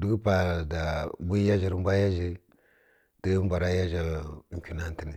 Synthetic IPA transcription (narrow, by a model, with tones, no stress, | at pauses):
du˦ɡpa˨da˨bu˦ja˦ʒi˨ɾm˦bʷa˦ja˦ʒə˦ | tə˦mbʷa˨ɾa˦ja˦ʒa˨ɾŋ˨kʲi˨na˦n˦ti˦ni˨